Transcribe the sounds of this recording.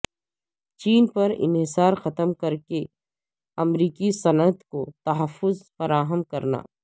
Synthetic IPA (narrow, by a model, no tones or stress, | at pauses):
t͡ʃiːnpɐɾɪ̰nɦɪsaːɾxɐt̪əmkɐɾke | ɐmɾiːkisɐnət̪kot̪ɐɦəfːʊzfɐɾaːɦəmkɐɾna̰ː